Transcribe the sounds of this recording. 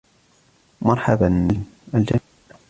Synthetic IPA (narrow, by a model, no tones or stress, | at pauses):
mɑɾˤħabananʔald͡ʒa